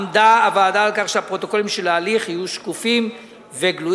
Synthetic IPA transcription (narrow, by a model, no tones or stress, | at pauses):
mdaːvaːdaːlkaχʃeapʁo̞t̪o̞ko̞limʃelaːliχijuʃkufim | veɡlu